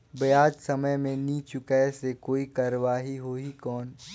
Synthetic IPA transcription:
bɐjaːd͡ʒsɐməjmẽniːt͡ʃʊkesekoːikaɾwaːɦiɦoːɦikɔːn

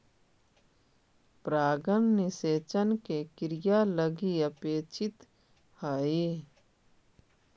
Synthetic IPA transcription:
pɾaːɡənnɪseːt͡ʃənkekɾɪjaləɡiəpeːt͡ʃɪt̪ | həi

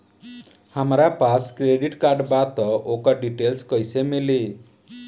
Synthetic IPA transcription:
hamɾapaskɾeɖiʈkaɾɖbat̪ɔʔokaɖiʈelskɔjsemele

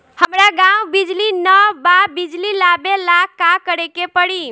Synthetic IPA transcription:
həmɾaɡãwbid͡ʒlinəbabid͡ʒlilabelakːakəɾekepəɽi

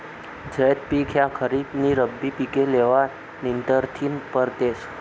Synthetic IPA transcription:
d͡ʑəjt̪̚pikʰjakʰəɾibniɾəbːipikeleʋa | nint̪əɾt̪ʰinpəɾt̪es

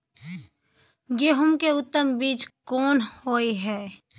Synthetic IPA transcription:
jeːɦʊmkeʊt̪ːəmbiːt͡ʃkɔːnhoːiɦɛː

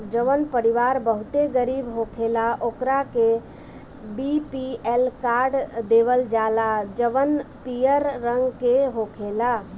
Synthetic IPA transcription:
d͡ʒəʋənpəɾiʋaɾbəɦut̪eɡəɾibɦokʰelaʔokɾake | bipielkaɾɖd̪eʋəld͡ʒalad͡ʒəʋənpijəɾːəŋɡkeɦokʰela

